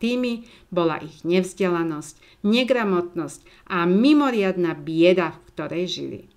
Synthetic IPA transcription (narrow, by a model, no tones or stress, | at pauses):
t̪imi | bɔla̰ʔiɣɲɛvzɟɛlanɔsc | ɲɛɡɾamɔt̪nɔsc | ʔamimɔɾɪad̪nabɪɛd̪afkt̪ɔɾɛjʒḭlḭ